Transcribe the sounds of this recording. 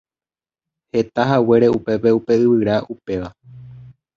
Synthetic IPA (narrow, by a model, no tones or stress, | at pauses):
he̞t̪aɦawe̞ɾe̞upe̞pe̞upe̞ɨβɨɾaupe̞ʋa